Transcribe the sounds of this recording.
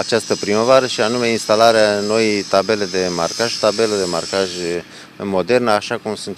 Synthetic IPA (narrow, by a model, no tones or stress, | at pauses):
at͡ʃast̪əpɾiməvaɾəʃianume̞inst̪alaɾeano̞jt̪abe̞le̞d̪e̞ma̰rkaʒt̪abe̞ləd̪e̞ma̰rkaʒ | mo̞d̪e̞rnəaʃakumsunt̪